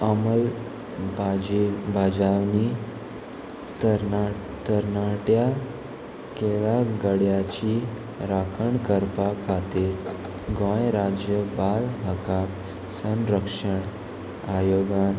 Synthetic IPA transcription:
əməl | bd͡ʑbad͡ʑaʋni | t̪ | t̪əɾnaʈja | kelaɡəɽjat͡ɕiː | ɾakʰəɳkəɾpakʰat̪iːɾ | ɡɔ̃jɾad͡ʑjəbalɦəkak | sə̃nɾəkʂəɳ | ajoɡan

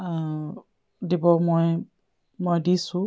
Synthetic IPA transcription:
dibɔmoj | mojdisʊ̃

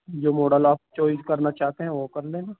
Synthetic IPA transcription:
d͡ʒoːmoːɖəlaːp̚t͡ʃoːɪzkɐɾnat͡ʃaːt̪eɦɛ̃ʋokɐɾlẽːnaː

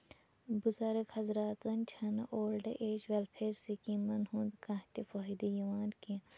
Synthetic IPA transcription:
buzaɾəkhɐzɾaːt̪ɐnt͡ʃʰɐnʔoːlɖɐ̰ʔeːt͡ʃʋelpʰeːɾsikĩmɐnɦũnd̪kãɦt̪ifoɦid̪ijiʋaːnkĩ

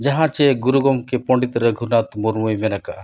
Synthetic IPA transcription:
d͡ʒɐɦãt͡ʃeɡuɾuɡɔmkepɔ̃ɳɖit̪ɾəɡʱunat̪muɾmujʋenakaʔ

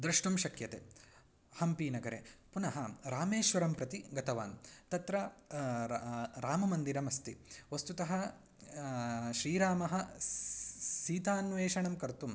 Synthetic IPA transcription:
d̪ɾɐʂʈumʃɐkjɐt̪ḛ | hɐmpiːnɐɡɐɾepunɐɦɐɾaːmeːʃʋɐɾɐmpɾɐt̪iɡɐt̪ɐʋa̰ːnt̪ɐt̪ɾɐ | ɾaːmɐmɐnd̪iɾɐmɐst̪iʋɐst̪ut̪ɐɦɐ | ʃɾiːɾaːmɐɦɐ | siːt̪aːnʋeːʃɐɳɐmkɐɾt̪um

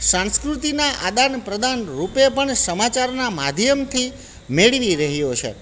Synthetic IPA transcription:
sãnskɾut̪inaʔad̪anpɾəd̪anɾupepəɳsəmat͡ʃaɾnamad̪ʱjəmt̪ʰi | meɭʋiɾəɦjot͡ʃʰḛ

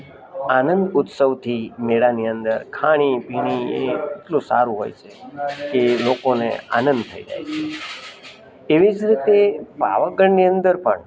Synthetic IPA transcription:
anənd̪ʊt̪səʋt̪ʰimeɽaniənd̪əɾkʰaɽ̃ibʱiɽ̃iḛkeʈlusa̰ɾũɦo̰jt͡ʃʰekelokonḛa̰nənd̪t̪ʰəid͡ʒa̰jt͡ʃʰe | eʋid͡ʒɾit̪epa̰ʋəɡəɳniənd̪əɾpə̰ɳ

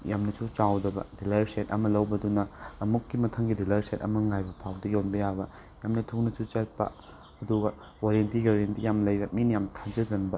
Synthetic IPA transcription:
jamnɐsut͡ʃawdɐbɐ̰dilɐɾsetɐ̰mɐlɐwbɐdunɐːmukːimɐtʰɐŋɡidilɐɾsetɐmɐŋajbɐpʰawdɐjonbɐjabɐ | jamnɐtʰuk̚nɐsut͡ʃɐt̚pɐ̰ | ɐduɡɐ | oɾentiɡaɾentijamlɐjbɐminjamtʰad͡ʒɐɡɐnbɐ

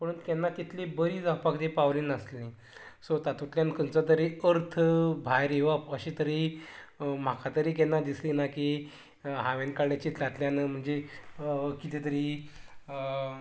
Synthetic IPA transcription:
pəɽunt̪kjanːat̪it̪ʰlebəɾiːd͡zapakd̪epaʋliːnəslĩ | sot̪at̪ut̪ljankənt͡sat̪̬əɾeəɾt̪ʰəbʱajɾiʋaəɕit̪əɾi | m̤akʰat̪əɾiːkɛnːad̪islinaki | ɦaʋenkaɽjat͡ɕiːt̪lat̪ljanm̤əɳd͡ze | kit̪et̪əɾiː

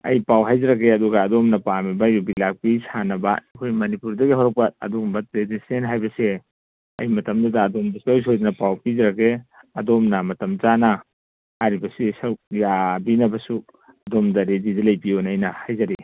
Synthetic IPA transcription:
ɐ̰jpawɦajzaɾakːeɐduɡaːdɔmnɐpamibajubilak̚pisʰanɐba̰ɐkʰojmɐnipuɾdɐɡiɦɔɾɔk̚pat̚ɐ̰duɡmɐt̚ɾedisenɦajbɐse | ɐ̰jmɐtɐmdɐdɐːdomdɐsuojs̬ojdanɐpawpizɐɾakːe | ɐdɔmnɐmɐtɐmzanaː | ɾibɐsisɐɾuk̚jabinɐbɐsu | ɐdomdɐɾedidalɐjpionɐjnɐhajzaɾi

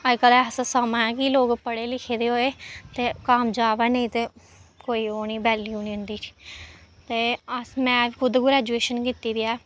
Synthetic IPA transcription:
əkəlɛːsəsəmãːɛːkiloːɡpəɽeːlɪkʰeːd̪eːɦoːeːt̪eːkaːmd͡ʒaːʋɛːnəĩt̪eː | koːiːɦoːniːbɛːlioːniːʊnd̪iːi̥ːt̪eːəsmɛ̃ːʋikʊd̪ɡʊɾɛːd͡ʒueːʃənkiːt̪iːd̪iːɛː

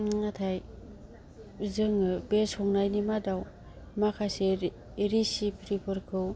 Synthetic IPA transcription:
ŋatʰaj | zɯŋɯbesɔŋnajnimadaw | makʰase | ɾisipʰɾipʰɯɾkʰɯw

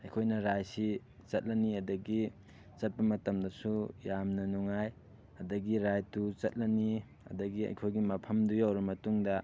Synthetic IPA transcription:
ɐjkʰojnɐɾajsi | t͡ʃɐt̚lɐniɐdɐɡi | t͡ʃɐt̚pɐmɐtɐmdɐsujamnɐnuŋaj | ɐdɐɡiɾajtut͡ʃɐt̚lɐni | ɐ̰dɐɡiɐ̰jkʰojɡimɐpʰɐmdujawɾɐmɐtuŋdɐ

